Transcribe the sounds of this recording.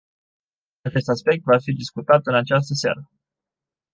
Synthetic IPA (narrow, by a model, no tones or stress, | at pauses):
at͡ʃe̞st̪aspe̞k̚t̪vafid̪iskut̪at̪ɨnat͡ʃas̬t̪əsa̰ɾə